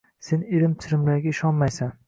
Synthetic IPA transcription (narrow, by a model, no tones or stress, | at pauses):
se̞neɾɪmt̪ʰɪɾɪmlaɾɡʲaɪʃɒnmajsan